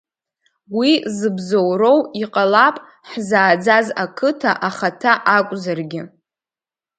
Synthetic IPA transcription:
wizɨbzowɾo̞wiqʼalapʼ | ħzaːd͡zazakʰɨtʰaʔaχatʰaʔakʷʼzarɡʲɪ

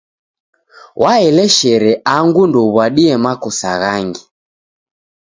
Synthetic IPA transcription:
wʔaɛlɛʃɛɾɛʔaŋɡundɔβwaɗiɛmakɔsaɣaŋɡi

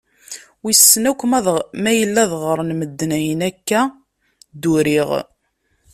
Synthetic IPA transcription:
wisːənækʷːmæðmæjəlːæðʁəɾˤnməd̪ːnæjənækːæ | d̪uɾiʁ

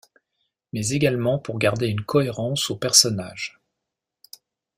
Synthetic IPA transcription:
mɛzeɡalmɑ̃puʁɡaʁd̪eynkʰɔeʁɑ̃sopɛʁsɔnaːʒ̥

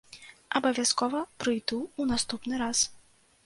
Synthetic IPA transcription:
ɐbɐvʲaskɔvɐpɾɨjd̪uːnast̪upnɨɾas

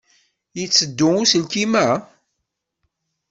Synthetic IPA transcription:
jət͡sːəd̪ːʊŋusəlkimæ

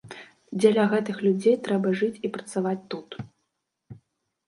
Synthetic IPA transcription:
d͡zʲɛlʲɐɣɛt̪ɨxlʲud͡zʲejt̪ɾɛbɐʐɨt͡sʲipɾɐt̪savat͡sʲt̪ut̪

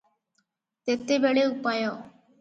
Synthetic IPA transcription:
t̪eːt̪eːbeːɽeːʊpaːjoː

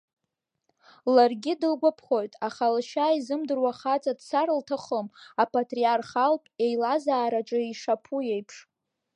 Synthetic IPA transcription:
larɡʲɪdɨlɡʷapʰχo̞jtʼaχalʃaizɨmdɨrwaχat͡sʼadsaɾltʰaχəmapʰatʼriarχalpʼe̞jlazaːɾaʈ͡ʂʼɨiʂapʰuje̞jpʰʂ

